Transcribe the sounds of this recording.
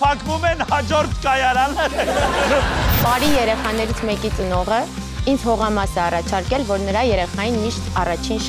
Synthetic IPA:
pʰɑkvumɛnhɑd͡ʒɔɾt̪ʰkɑjɑɾɑnə | pɑɾijɛɾɛχɑn̪ɛɾit͡sʰmɛkit͡sənɔʁə | ind͡zhɔʁɑmɑsɛɑrɑt͡ʃʰɑɾkɛlvɔɾnəɾɑjɛɾɛχɑjinmiʃt̪ɑrɑt͡ʃʰinʃ

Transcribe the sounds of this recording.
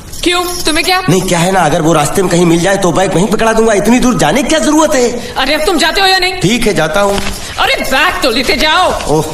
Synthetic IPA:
kjũːt̪ʊmẽkjaːnɐɦĩkjaːɦɛnaɐɡəɾʋoɾaːst̪emẽkɐɦĩmɪld͡ʒaːet̪obaɪkmɐɦĩpɐkɭad̪ũːŋɡaɪt̪nid̪uːɾd͡ʒaːnek̚ːkjazɐɾuːɾət̪ɦɛː | ɐɾeɐt̪ʊmd͡ʒaːt̪eɦojanɐɦĩʈʰiːkɦɛd͡ʒaːt̪aɦũː | ɐɾebɛːk̚t̪oleːt̪ed͡ʒaːooː

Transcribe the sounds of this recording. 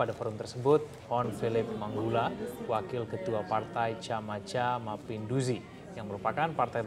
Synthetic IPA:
padafɔɾunt̪ərsəbʊt̪̚ | hɔnfilɪp̚maŋɡulawakɪlkət̪uapart̪ajt͡ʃamat͡ʃamapɪnduzi | jaŋməɾupakanpart̪aj

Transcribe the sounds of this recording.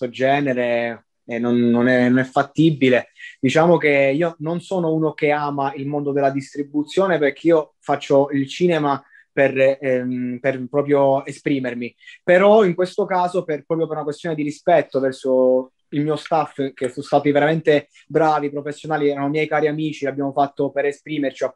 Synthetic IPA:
od͡ʒɛːneɾe | ɛnonːonɛnonɛfːat̪ːibiled̪̥it͡ʃaːmokeiːononsoːnouːnokeaːmailmond̪od̪elːad̪ist̪ɾibut̪sːjoːneperk̟eiːo | fat͡ʃːoilt͡ʃiːnɛma | per | perpɾɔːpɾjoespɾiːmermipeɾɔiŋkwest̪okaːzoperpɾɔːpɾjop̬eɾunakwest̪joːned̪iɾispɛt̪ːovɛrso | ilmiːost̪afkesost̪aːt̪iveɾament̪e | bɾaːvipɾofesːjonaːliɛːɾanomjɛjkaːɾiamiːt͡ʃilabːjaːmofat̪ːopeɾespɾiːmert͡ʃia

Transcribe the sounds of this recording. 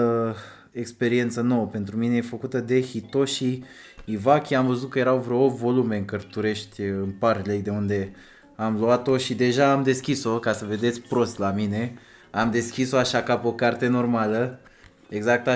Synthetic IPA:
ekspe̞ɾie̞nt̪səno̞wəpe̞nt̪ɾumine̞jefəkut̪əd̪e̞hit̪o̞ʃiː | vakʲiamvəzut̪̚kəje̞ɾawvɾoovo̞lume̞ɨŋkərt̪uɾe̞ʃt̪ʲɨnparʲlejd̪e̞und̪e̞ | amluat̪o̞ʃid̪e̞ʒaːmd̪e̞skʲiso̞kasəve̞d̪e̞t̪sʲpɾo̞st̪lamine̞ | amd̪e̞skʲiso̞aʃakapo̞kart̪e̞no̞rmalə | e̞ɡzak̚t̪a

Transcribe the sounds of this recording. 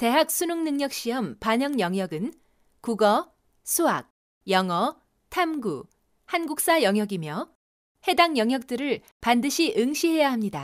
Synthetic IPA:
te̞ɦak̚sʰunuŋnɯŋɲʌk̚ɕ͈iʌmpaɲʌŋɲjʌŋjʌɡɯn | kuɡʌ | sʰuɦak̚ | jʌŋʌ | tʰamɡu | hanɡuk̚s͈ajʌŋɦjʌɡimjʌ | he̞daŋjʌŋɦjʌk̚t͈ɯɾɯɭ | pandɯɕʰiʔɯŋɕʰiɦe̞jaɦamɲida

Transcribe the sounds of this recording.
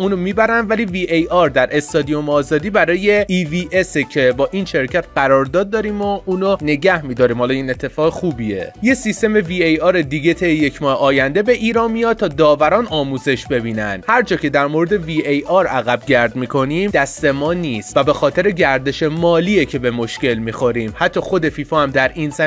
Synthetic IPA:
uːnomiːbæɾænd̪væliːviːʔejɒːɾd̪æɾʔe̞st̪ɒːd̪ijomɒːzɒːd̪iːbæɾɒːje̞iviːʔesecʰe̞bɒːʔiːnʃe̞ɾcʰæt̪ɢæɾɒːɾd̪ɒːd̪̚ːɒːɾiːmoʔuːnone̞ɟæhmiːd̪ɒːɾiːmhɒːlɒiːne̞t̪ʰːe̞fɒːɣexuːbiḛje̞sist̪e̞me̞viːejɒːɾed̪iːɟe̞t̪ʰejejecʰmɒːheʔɒːjænd̪e̞be̞ʔiːɾɒːnmijɒːd̪̚t̪ʰɒːd̪ɒːvæɾɒːnɒːmuːze̞ʃbe̞biːnænhæɾd͡ʒɒːcʰe̞d̪æɾmo̞ɾed̪e̞viʔejɒɾæɣæbɟæɾd̪miːkʰo̞nimd̪æst̪e̞mɒːniːst̪væbe̞xɒːt̪ʰe̞ɾe̞ɟæɾd̪e̞ʃe̞mɒːliːecʰe̞bemo̞ʃce̞lmiːxo̞ɾiːmhæt̪ʰːɒːxo̞d̪e̞fiːfɒːhæmd̪æɾinsæ

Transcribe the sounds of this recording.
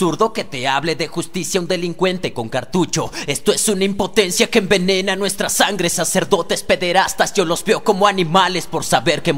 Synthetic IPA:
suɾðo̞ke̞t̪eaβle̞ðe̞xust̪isjaund̪e̞liŋkwe̞nt̪e̞ko̞ŋkaɾt̪ut͡ʃo̞e̞st̪o̞e̞sunaimpo̞t̪e̞nsjakembe̞ne̞nanwe̞st̪ɾasaŋɡɾesase̞ɾðo̞t̪espe̞ðe̞ɾast̪asjolo̞zbeoko̞mo̞anĩmale̞spo̞ɾsaβe̞ɾke

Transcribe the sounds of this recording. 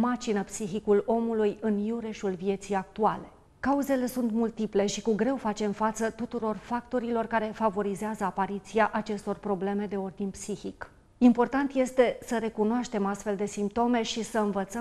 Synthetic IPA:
mat͡ʃinəpsixikulo̞mulujɨnjuɾeʃulvie̞t̪sijak̚t̪uale̞ | kauze̞le̞sunt̪mult̪iple̞ʃikuɡɾe̞wfat͡ʃe̞mfat̪sət̪ut̪uɾo̞rfak̚t̪o̞ɾilo̞rkaɾe̞favo̞ɾizeazəapaɾit̪siaʔat͡ʃe̞st̪o̞rpɾo̞ble̞me̞d̪e̞o̞rd̪inʲpsiçik | impo̞rt̪ant̪je̞st̪e̞səɾe̞kunoaʃt̪e̞mast̪fe̞ld̪e̞simp̚t̪o̞me̞ʃisəɨnvət̪sə

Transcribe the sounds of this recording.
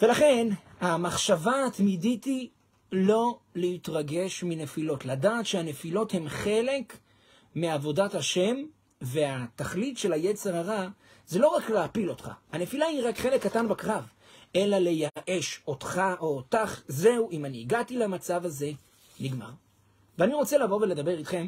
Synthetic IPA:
ve̞laχe̞nhamaχʃavatmiditi | lo̞lehitʁaɡe̞ʃmine̞filo̞tladaːtʃehane̞filo̞the̞mχe̞le̞k | miavo̞dathaʃe̞m | veataχlitʃe̞laje̞t͡se̞ʁaʁa | ze̞lo̞ʁakleapilo̞tχa̰hane̞filahiʁakχe̞le̞kːatanbakʁav | ʔe̞lale̞jaʔe̞ʃotχaʔo̞ːtaχze̞uʔimaniːɡatilamat͡savaze̞ | niɡma̰ʁ | veaniʁo̞t͡selavo̞veled̪abe̞ʁit̪χe̞m

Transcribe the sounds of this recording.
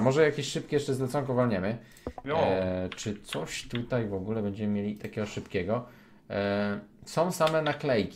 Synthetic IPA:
mɔʐɛjakʲeɕʂɘp̚kʲɛjɛʂt͡ʂɛzlɛt̪sɔŋkɔvalɲɛmɘ | t͡ʂɘt̪sɔɕt̪ut̪ajvɔɡulɛbɛɲd͡ʑɛmɘmʲjelʲit̪akʲɛɡɔʂɘpkʲɛɡɔ | sɔ̃w̃samɛnaklɛjkʲi

